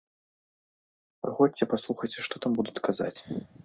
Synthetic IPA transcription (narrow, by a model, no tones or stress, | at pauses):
xɔt͡sʲt͡sʲɛpaslˠuxɐjt͡sʲɛʂt̪ɔt̪ambud̪ut̪ʲkaza̰t͡sʲ